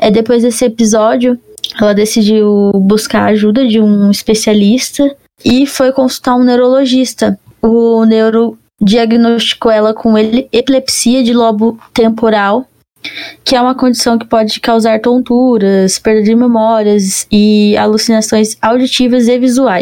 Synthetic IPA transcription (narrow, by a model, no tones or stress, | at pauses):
ɛd̪epojzd̪esɪepizɔd͡ʒiʊɛlɐd̪esid͡ʒiwbuskaɾaʒud̪ɐd͡ʒɪũispesialist̪ɐ | ɪfojkõsu̥t̪aɾũnewɾoloʒist̪ɐʊnewɾʊ | d͡ʒiaɡɪnost͡ʃi̥kowɛlɐkʰõelɪepilepsiɐd͡ʒɪlɔbʊt̪ẽmpoɾaw | kɪɛũmɐkõd͡ʒisɐ̃w̃kɪ̥pɔd͡ʒɪkawzaɾt̪õnt̪uɾɐspeɾd̪ed͡ʒɪɾmemɔɾiɐzɪa̰lusinasõj̃zawd͡ʒit͡ʃivɐzevizuaj